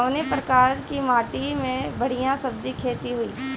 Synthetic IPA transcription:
ʋnepɾɐkaːɾkimaːʈimẽbɐɽ̤ijãsɐb̚d͡ʒikʰeːt̪iɦʊiː

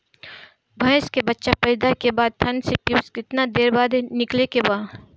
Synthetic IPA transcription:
bʱɐ̃skebɐtːʃapɐɾɪd̪akebaːd̪̚t̪ʰɐnsepjuːskɪt̪nad̪eːɾbaːd̪ʱenɪklekebaː

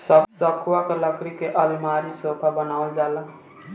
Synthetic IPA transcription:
səsəkʰwakeləkɾikeʔəlimaɾisopʰabənald͡ʒalən

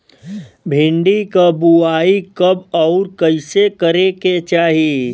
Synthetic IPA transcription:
bʱɪ̃ɳɖikəbuaːikəbɔʊɾkəɪsekəɾeket͡ʃaːɦi

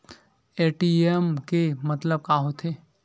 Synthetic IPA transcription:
eːʈiemkemɐt̪ləb̚kaːɦot̪ʰeː

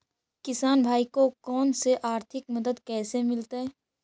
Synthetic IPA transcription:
kɪsaːnbʱaːikokɔːnseʔaːɾt̪ʰɪkməd̪əd̪kɛːsemɪlt̪aɦɛː

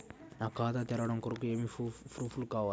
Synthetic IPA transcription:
naːkaːd̪at̪ɛɾɐɽɐmkoɾɐkue̞ːmipʰɾupʰulkaːʋaː

